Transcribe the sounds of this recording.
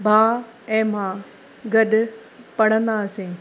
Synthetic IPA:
bʱaː | ɛ̃ːmãː | ɡɐɗ | pɐɽ̤̃ə̃nd̪asẽː

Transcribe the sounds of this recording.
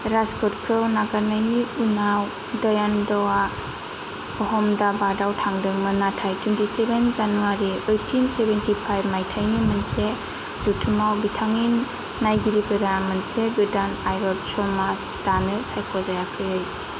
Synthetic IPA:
ɾaskʰɔt̚kʰɯwnaɡaɾnajniunaw | dɔjandɔwa | ɔɦɔmdabadawtʰaŋdɯŋmɯnatʰajtwentisebenzanuwaɾiɯjtʰinsebentipʰajbmajtʰajnimanse | zutʰɯmawbitʰaŋinː | ajɡiɾikɯɾamɯnseɡɯdanajɾɔdsɔmasd̥anɯsajkʰɔzajakʰɯɯj

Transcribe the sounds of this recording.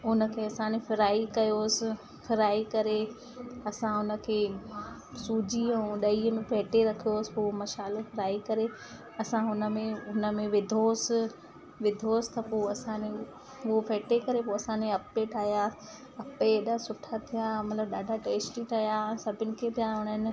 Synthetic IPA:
ʊnə̆kʰeːɐsãːnefɪɾaːikɐjoːsɪ̆ | fʰɪɾaːikɐɾe | ɐsãɦʊnə̆kʰeː | suːd͡ʑĩɗɐiəmẽfɛːʈeɾɐkʰijoːsɪ̥poːmɐʃaːlofɪɾaːikɐɾe | ɐsãɦʊnə̆mẽʊnə̆mẽʋɪd̪ʱoːsɪ̆ | ʋɪd̪ʱoːsɪ̥t̪ʰɐpoːɐsãne | opeːʈekɐɾepoːɐsãːnẽɐpeʈʰaːɦja | ɐpeːɗasʊʈʰat̪ʰijamɐt̪ləbɗaːɖʱaʈeːsʈiʈʰaːɦijasɐbʱɪnɪ̆kʰepɪjãɦʊnənɪ̆

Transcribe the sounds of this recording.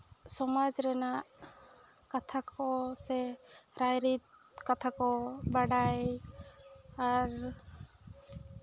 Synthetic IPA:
sɔmad͡ʒɾɛnaʔ | kat̪ʰakʰɔsɛɾajɾit̪̚ | kat̪ʰakɔbaɽaj | aɾ

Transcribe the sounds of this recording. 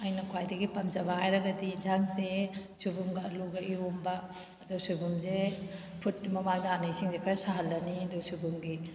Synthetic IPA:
ɐjnɐkʰwajdɐɡipɐmd͡ʒɐbajɾɐɡɐdid͡ʒaŋsesubumɡɐɐluɡɐʔiomba | dɔwsubumze | pʰut̚ːimɐmadanɐisiŋzekʰɐɾɐsaɦɐlːɐnidɔwsubumɡi

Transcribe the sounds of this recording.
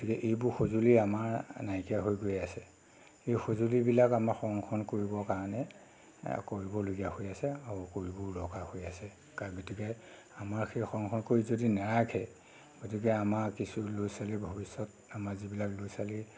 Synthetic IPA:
ɡotikɛʔejbʊɹxozuliamaɹnajkijaɦojɡojasɛ | ejxozulibilakamaɹxɔɹɔŋkʰɔnkoɹibɔkaɹɔnɛ | koɹibɔloɡijahojasɛaɔkoɹibʊɹɔkahojasɛ | kaɡotikɛ | amaɹxejxɔɹɔŋkʰɔnkoɹizodinɛɹaɡʱʰɛ | ɡ̥otik̬ɛamaɹkisulojsalibʱobisːɔt | amaɹzibilaklojsali

